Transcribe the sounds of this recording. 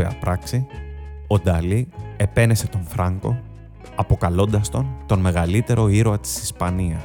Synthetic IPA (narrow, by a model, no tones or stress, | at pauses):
eɐ̰pɾɐksio̞d̪ɐlie̞pe̞ne̞se̞t̪o̞ɱfɾɐŋko̞̰ | ɐpo̞kɐlo̞nd̪ɐst̪o̞nt̪o̞nme̞ɣɐlit̪e̞ɾo̞iɾoɐt̪i̥sispɐniɐs